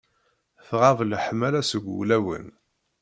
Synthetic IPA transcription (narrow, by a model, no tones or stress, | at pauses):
θʁavlħmælæsəɡʷṵlæwə̰n